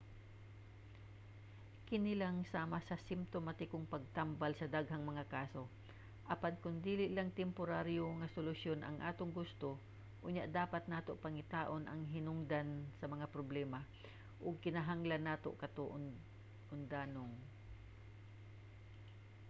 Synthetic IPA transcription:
kɪnɪlaŋsaːmɐsɐsɪmpt̪omat̪ɪkoŋpɐɡ̚t̪ambalsɐd̪aɡɦaŋmɐŋakaːso̞ | ʔɐpankʊŋd̪iːlɪʔlaŋt̪ɛmpʊɾaɾjoŋɐsolʊsjo̞nʔɐ̰ŋʔa̰ːt̪oŋɡʊst̪o̞ | ʔʊɲːaʔd̪aːpat̪̚naːt̪oʔpɐŋɪt̪aːʔonʔɐŋɦɪnʊŋd̪ansɐmɐŋapɾoblɛːma | ʔʊɡ̚kɪnɐɦaŋlanːaːt̪o̞̰ʔkɐt̪oʔ | ʔʊnd̪aːnoŋ

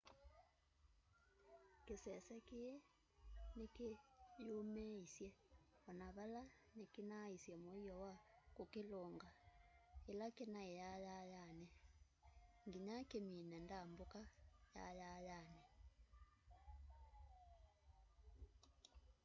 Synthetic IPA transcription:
kesɛsɛkeɛ | nekejomɛisjɛɔnaβala | nekenaisjɛmoijɔwakokeloːŋɡa | elakenaejajajanɛ | ŋɡiɲakeminɛndambokaja̰jajanɛ

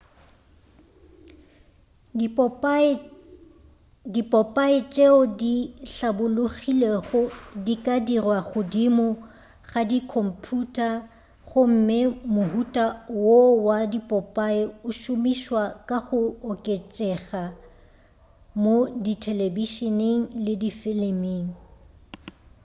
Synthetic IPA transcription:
dipʼɔpʼaɪt͡ʃʼeʊdiɬabʊlʊɣileɣʊdikʼadirwaɣʊdimʊ | ɣadikʰɔm̩pʰutʼa | χʊm̩memʊhutʼawowadipʼɔpʼaɪʊʃʊmiʃwakʼaχʊːkʼet͡ʃʼɛɣa | moditʰɛlebiʃɔneŋ̩lɪdifɪlɪmiːŋ̩

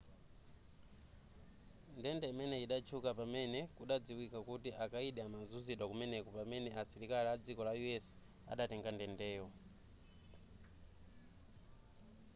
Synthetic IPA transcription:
ndɛndɛimɛnɛiɗat͡ʃʰukapamɛnɛkuɗad͡ziwikakutiʔakaiɗɛamazuziɗakumɛnɛkɔpamɛnɛasiɾikaliad͡zikɔlajuɛs | a̰ɗatɛŋɡandɛndɛːwɔ

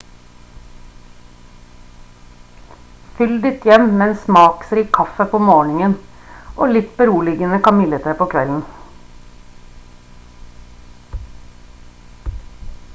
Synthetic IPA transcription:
fʏld̪ɪt̪ʰjɛmmeːeːnsmɑːksɾiːkʰɑfəpʰoːmoːɳɪŋən | ʔoːlɪt̪bəɾuːlɪɡənəkɑnmɪlət̪ʰeːpʰoːkʰʋɛln̩

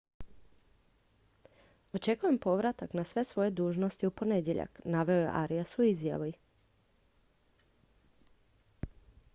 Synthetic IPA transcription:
o̞t͡ʃe̞kuje̞mpo̞ʋɾat̪aknasʋe̞sʋo̞je̞d̪uːʒno̞st̪iupo̞ne̞d̪je̞ʎa̰knaʋe̞ojḛʔa̰ɾijasuizja̰ʋuj

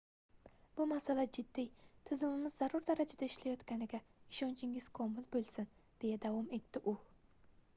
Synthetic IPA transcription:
b̥ʊmasalad͡ʒɪd̪ːijt̪ʰɪzɪmɪmɪzːaɾʊɾd̪aɾad͡ʒad̪aɪʃlajɒt̪kʲanɪɡʲaɪʃɒnt͡ʃʰɪŋɪz̥kʰɒmɪlbolˠsɪnd̪̥e̞jad̪avɒme̞t̪ʰːɪʔʊ

